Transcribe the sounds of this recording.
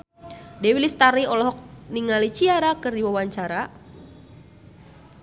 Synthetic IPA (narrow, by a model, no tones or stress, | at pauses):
dɛwilist̪aɾiɔlɔɦɔk̚niŋalit͡ʃiaɾakɨrdiwawaɲt͡ʃaɾa